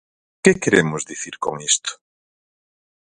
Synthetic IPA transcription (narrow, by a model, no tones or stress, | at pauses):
kekeɾemʊzðiθiɾko̰ŋist̪o̥